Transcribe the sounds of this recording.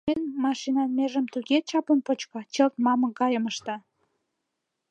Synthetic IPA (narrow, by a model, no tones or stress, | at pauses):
enmɑʃinɑnmeʒəmt̪yɣet͡ɕɑponpot͡ɕkɑt͡ɕəlt̪mɑmə̆kɑjəməʃt̪ɑ